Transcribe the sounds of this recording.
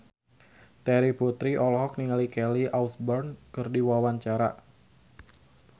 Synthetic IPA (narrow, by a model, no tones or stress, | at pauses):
t̪ɛɾiput̪ɾiʔɔlɦɔk̚niŋalikɛliawsbɔrnkɨrdiwawaɲt͡ʃaɾa